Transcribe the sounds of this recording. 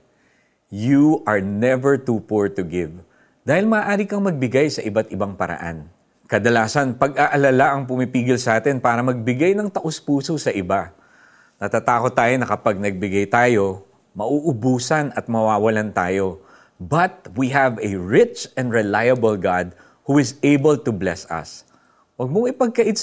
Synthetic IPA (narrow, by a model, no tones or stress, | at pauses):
juʔɐɹnɛvɛɹt̪uːpuɹt̪ʊɡɪv | d̪̥aːhɪlmɐːʔaːɾikɐŋmɐɡ̚bɪɡajsɐʔɪbat̪̚ɪbaŋpɐɾɐ̰ʔa̰n | kɐd̪ɐlaːsɐnpɐɡʔaʔɐlalaʔɐŋp̬ʊmipiːɡɪlsɐʔaːt̪ɪnpaːɾɐmɐɡ̚bɪɡajnɐŋt̪ɐʔospuːsosɐʔɪba | nɐt̪at̪aːko̞t̪ːaːjonɐkɐpaɡ̚nɐɡ̚bɪɡajt̪aːjo̞ | mɐʔuʔʊbuːsɐnɐt̪̚mɐwaːwɐlant̪aːjo̞ | bɐt̪̚wiɦɐvɛɹɪt͡ʃɛ̃nd̪ɹɛlajɐbɐlɡad̪̚ | huɪzejbɐlt̪ʊblɛsɐ̰s | wɐɡ̚moŋɪpɐɡ̚kɐʔɪ